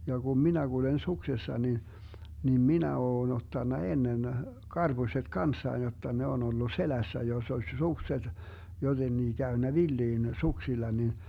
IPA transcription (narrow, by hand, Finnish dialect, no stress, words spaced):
jɑ ɡ̊um minæ ɡ̊ulen suksesːɑ ni nim minæ oːn otːɑnːɑ enːen kɑrb̥uset kɑnsːɑin jotːɑ ne on olːu selæsːæ josː osʲ sukset jotenːiː kæynːæ ʋilːiːn suksilːɑ nin